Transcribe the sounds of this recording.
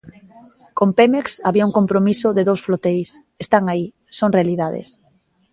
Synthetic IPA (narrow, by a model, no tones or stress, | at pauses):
kompemeksaβiauŋkompɾomisʊðeðowsflot̪ejs | est̪aŋai | soŋrealiðaðḛs